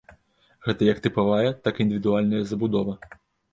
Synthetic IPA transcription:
ɣɛt̪ɐjɐk̚t̪ɨpavajɛt̪akind̪ɨvʲid̪ualʲnɐjɐzɐbud̪ɔvɐ

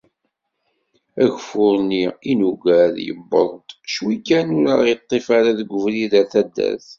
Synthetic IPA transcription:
æʝfʊɾniinuɡæðjə̰bːə̰ðˤt̪ʃwikːænuɾəɾit̪ˤːefaɾaðɡʷʊvliðæθæd̪ːæ̰θ

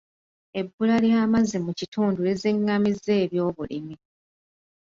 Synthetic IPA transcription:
e̞bːulaljaːmazimucituːndue̞ziŋːamize̞ːβjo̞ːβulḭmi

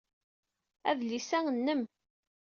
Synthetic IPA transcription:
æ̰ðlisæŋənːəm

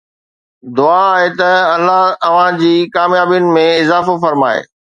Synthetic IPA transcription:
d̪ʊaːɦet̪ɐɐlːaɦɐʋ̤ãd͡ʑiːkaːmjaːbijʊnɪ̆mẽɪzaːfofɐɾmaːḛː

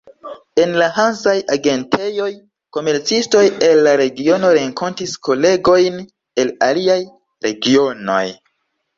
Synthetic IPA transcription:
e̞nlaɦansajaɡe̞ntʰe̞jo̞j | ko̞me̞ɾt͡sisto̞je̞lːaɾe̞ɡio̞no̞ɾe̞ŋkʰo̞ntisko̞le̞ɡo̞jn | e̞la̰liaj | ɾe̞ɡio̞no̞̰j

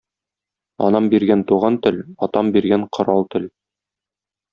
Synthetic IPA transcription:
ɒ̰nɑmbiɾɡænt̪uʁɑnt̪ɘlɒt̪ɑmbiɾɡæɴqʰŏɾɑlˠt̪ɘ̆l

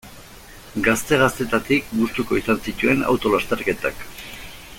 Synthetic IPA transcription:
ɡast̪e̞ɣ̞ast̪et̪at̪ik̚bust̪uko̞isansit̪ue̞na̰wt̪o̞last̪eɾke̞t̪a̰k

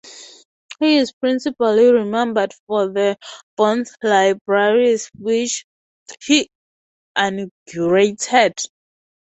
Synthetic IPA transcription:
hiːzpɹĩnsipaliɹimɛ̃mbədfɔðəb̥ɔ̃nθlaɪbɹaɹiswit͡ʃ | hi | ʔanɡjuɹetʰɛd̥

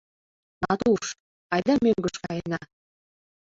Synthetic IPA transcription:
nɑt̪uʃ | ɑjd̪ɑmøŋɡə̆ʃkɑjənɑ

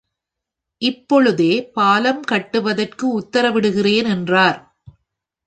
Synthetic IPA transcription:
ʔɪpːɔɭɯðeːpaːlɐmkɐʈːɯʋɐðɐrkɯʊt̪ːɐɾɐʋɪɽɯɣɪreːnɛndraːɾ

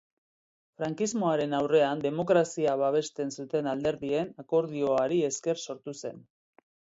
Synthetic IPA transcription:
fɾaŋkizmo̞aɾe̞nawre̞and̪e̞mo̞kɾasiaβ̞aβ̞e̞st̪e̞nsut̪e̞nald̪e̞ɾðie̞nako̞ɾðio̞aɾie̞ske̞rso̞ɾt̪use̞n

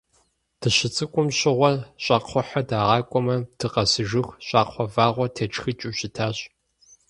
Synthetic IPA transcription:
d̥ʰɨɕɪt͡sʼɨkʷʼʊmɕʼɪʁʷɔɕʼɑːqʰʷɔħɐdaːʁɑːkʷʼɔmɐdʰɨqɐsɨʒɨxɕʼɑːqʰʷɔvaːʁʷɔtʰeɐʈ͡ʂxɨt͡ʃʼuɕɪtʰaːɕʼ

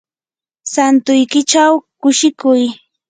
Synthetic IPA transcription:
sant̪ʊjkɪt͡ʃawkʊʃɪkʊj

